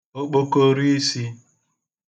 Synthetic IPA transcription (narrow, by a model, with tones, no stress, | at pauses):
o˦k͡po˦ko˦ɾi˦i˦si˦